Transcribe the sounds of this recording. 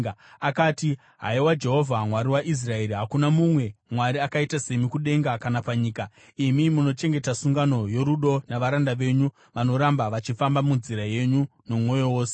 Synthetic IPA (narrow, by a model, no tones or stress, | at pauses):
akaːti | ɦa̰iwad͡ʒe̞ɦo̞vʱamwaɾiwaʔis̬rae̞ɾiɦakunamumwe̞mwaɾiakaitase̞mikuɗe̞ŋɡakanapaɲiːka | imimuno̞t͡ʃe̞ŋɡe̞tasuŋɡano̞jo̞ɾuɗo̞naʋaɾandaʋe̞ɲu | ʋano̞ɾambaʋat͡ʃifambamunziɾaje̞ɲuno̞mwo̞jo̞wo̞ːse̥